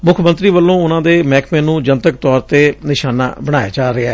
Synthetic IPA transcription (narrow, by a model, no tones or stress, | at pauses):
mʊkʰmənt̪ɾiːʋəlːõːʊnãːd̪eːmɛːkʰmẽːnũːd͡ʒənt̪ək̚t̪ɔːɾt̪eːnɪʃaːna̰ːbəɽ̃aːja̰ːd͡ʒaːɾɪɛː